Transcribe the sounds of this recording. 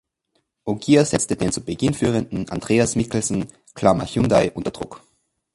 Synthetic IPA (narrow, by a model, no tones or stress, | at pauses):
ʔoɡiːazɛt͡stədeːnt͡subəɡɪnfyːʁəndn̩ʔa̰ndʁeːasmɪkl̩sn̩ | kʰl̥amaçundaɪʔʊntɐd̥ʁ̥ʊ̰k